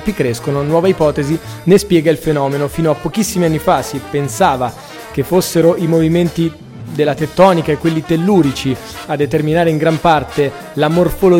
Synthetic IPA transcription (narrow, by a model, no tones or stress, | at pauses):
pikɾeskononwɔːvaipɔːt̪ezinespjɛːɡailfenɔːmenofiːnoapːok̟isːimianːifasipensaːva | k̟efːosːeɾoʔimoviment̪i | d̪elːat̪et̪ːɔːnikaekːwelːit̪elːuːɾit͡ʃi | ad̪ːet̪erminaːɾeiŋɡɾampart̪e | lamorfolo